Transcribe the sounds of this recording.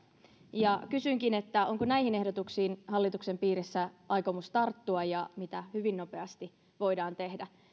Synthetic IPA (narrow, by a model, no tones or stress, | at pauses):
jɑkysyŋkine̞t̪ːæoŋkonæihine̞hdot̪uksiːnhɑlːit̪ukse̞mpiːɾisːæʔɑjko̞must̪ɑrt̪ːuɑjɑmit̪æhyʋinːo̞pe̞ɑst̪i | ʋo̞idɑːnt̪e̞hdæ